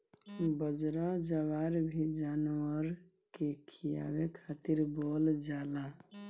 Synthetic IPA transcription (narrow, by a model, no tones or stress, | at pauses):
bəd͡ʒɾad͡ʒəʋaɾbʱid͡ʒaːnwəɾ | kekʰija̰wekʰat̪iɾbold͡ʒala